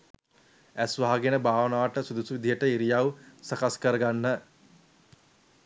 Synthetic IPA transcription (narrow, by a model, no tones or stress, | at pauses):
æsʋaɦaɡenəbaːʋənaːʈəsud̪usuʋid̪ʱijəʈəiɾijawsakaskəɾəɡanːə